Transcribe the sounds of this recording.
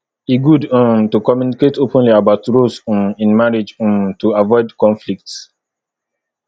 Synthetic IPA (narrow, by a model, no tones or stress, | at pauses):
iɡudũmtukɔmjuniketopə̃nliabaʊtɹosũmĩnmaɹid͡ʒũmtuavɔɪdkɔ̃nflik̚ts